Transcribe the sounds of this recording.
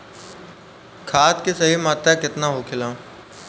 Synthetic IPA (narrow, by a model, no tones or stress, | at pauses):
kʰaːt̪kesɐɦimaːt̪akɪt̪naɦokʰɪlãː